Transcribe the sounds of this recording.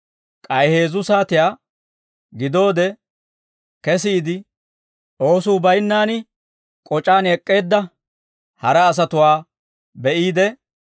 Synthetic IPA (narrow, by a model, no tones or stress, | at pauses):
kʼɐjhe̞ːzʊsaːt̪ɪjaː | ɡɪd̪o̞ːd̪ɛ | kɛsɪːd̪ɪ | ʔo̞ːsuːbɐjnːaːnɪ | kʼɔt͡ʃʼaːnɛkʼːe̞ːd̪ːɐ | hɐɾɛːs̬ɐt̪ʊwaː | bɛʔiːd̪ɛ